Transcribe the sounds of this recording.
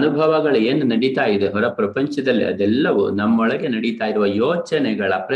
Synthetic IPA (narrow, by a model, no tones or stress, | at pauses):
nubʱɐʋɐɡɐɭue̞ːnunɐɽit̪aːjid̪eɦɔɾɐpɾɐpɐɲt͡ʃɐd̪ɐlːḭʔɐ̰d̪ɛlːɐʋunɐmːɔɭɐɡe̞nɐɽit̪aːjiɾuʋɐjɔːt͡ʃɐnɛɡɐɭɐpɾɐ